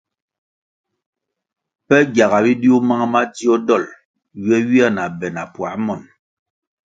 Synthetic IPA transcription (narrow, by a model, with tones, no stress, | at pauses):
pɛ˦ɡja˨ɣa˨bi˦di˦u˦ma˦ŋ˦ma˦di˦ɔ˦dɔ˦˨l | ɥɛ˦ɥi˦a˦˨na˨bɛ˨na˨pwa˨˦mɔ˨n